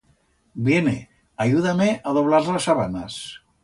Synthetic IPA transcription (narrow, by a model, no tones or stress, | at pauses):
bjenḛ | ajuðameʔaðoβ̞laɾlasaβana̰s